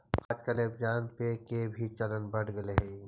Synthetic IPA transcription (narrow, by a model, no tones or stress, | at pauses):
xɐt͡ʃkɐlepd͡ʒaːnpekebʱit͡ʃɐlənbɐɽɡɐleɦɛi